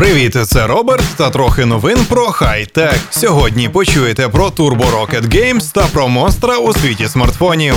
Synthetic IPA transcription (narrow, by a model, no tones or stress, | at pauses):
pɾɪʋʲit̪ɪt̪sɛɾɔbert̪ːɐt̪ɾɔxɪnɔʋɪnpɾɔxajt̪ɛksʲɔɦɔdʲnʲipɔt͡ʃujet̪ɛpɾɔt̪urbʊɾɔket̪ɡɛjmst̪ɐpɾɔmɔnst̪ɾɐusʲʋʲitʲismɐrt̪fɔnʲi